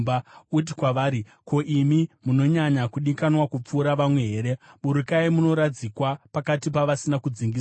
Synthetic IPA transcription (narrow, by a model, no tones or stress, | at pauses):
baut̬ikwaʋaːɾi | ko̞ʔimimuno̞ɲaɲakuɗikanwakup͡fuːɾaʋamwe̞ɦeːɾe̞ɓuɾukaimuno̞ɾad͡zikwapakatipaʋasinakud͡ziŋɡis